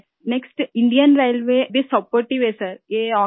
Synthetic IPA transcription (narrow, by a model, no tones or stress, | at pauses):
neksʈɪ̃ɳɖiənɾaɪlʋebʱisɔpoːɾʈiʋesəɾjeɔ̃ː